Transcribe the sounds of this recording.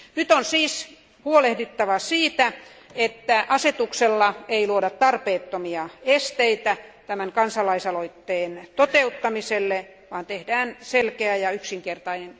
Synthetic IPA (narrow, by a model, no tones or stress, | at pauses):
nyt̪onsiːs | huolehdit̪ːɑʋɑsiːt̪æ | et̪ːæʔɑset̪ukselːɑeiluodɑt̪t̪ɑrpeːt̪ːomiɑest̪eit̪æt̪æmæŋkɑnsɑlɑisɑloit̪ːeːnt̪ot̪eut̪ːɑmiselːe | ʋɑːnt̪ehdæːnselkeæjɑyksiŋkert̪ɑinen